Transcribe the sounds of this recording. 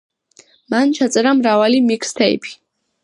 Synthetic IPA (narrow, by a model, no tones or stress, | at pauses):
mant͡ʃʰat̪sʼɛɾamɾavalimikʰst̪ʰɛḭpʰi̥